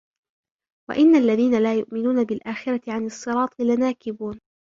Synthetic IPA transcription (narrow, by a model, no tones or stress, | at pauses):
wa̰ʔɪnːalːaðiːnalaːjʊʔmɪnuːnabɪlʔaːxɪɾat̪ɪʕanɨsˤːɨɾˤɑːt̪ˤɨlɪnaːkɪbuːn